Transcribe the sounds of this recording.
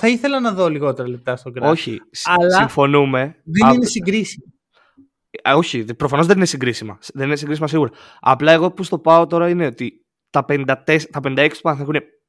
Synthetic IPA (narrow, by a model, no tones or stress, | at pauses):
θɐiθe̞lɐnɐðo̞liɣo̞t̪eɾɐlep̚t̪ɐst̪oɡɾoçḭsɐlsɐiɱfo̞nume̞ðeinesiŋɡɾisimɐ | o̞çipɾo̞fɐno̞zðe̞ninesiŋɡɾisimɐsðeninesiŋɡɾisimɐsiɣuɾɐ | ɐ̰plɐe̞ɣo̞pust̪o̞pɐo̞t̪o̞ɾɐine̞o̞t̪i | t̪ɐpend̪ɐt̪est̪ɐpend̪ɐeksi̥puɐnɐθexune̞